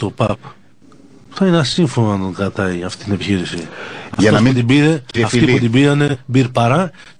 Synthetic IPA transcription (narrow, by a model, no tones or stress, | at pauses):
t̪o̞pɐp | θɐineɐsiɱfonoɐnd̪oŋɡɾɐt̪ɐjɐft̪i̥t̪ine̞piçiɾisiɐɐtout̪ibiɾeɐft̪iput̪ibiɾɐne̞biɾpɐɾɐ